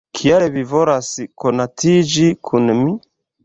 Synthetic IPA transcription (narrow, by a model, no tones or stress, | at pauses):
kʰiaɾɛβivɔɾasikɔnatʰid͡ʒikʰunmi